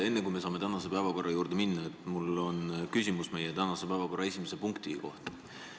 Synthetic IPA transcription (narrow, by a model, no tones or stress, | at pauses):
e̞nːekujme̞sɑːme̞t̪ænɑse̞pæevɑko̞rːʔɑjuːɾd̪̥eminːɑet̪ːˑmulo̞nkysʲimusme̞jet̪ænɑsepæevɑko̞rːɑesʲimesepuŋkt̪iko̞ht̪ɑ